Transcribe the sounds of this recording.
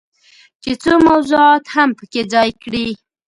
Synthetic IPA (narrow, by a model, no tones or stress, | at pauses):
t͡ʃet͡somawzuɑt̪hampəked͡zɑjkɽi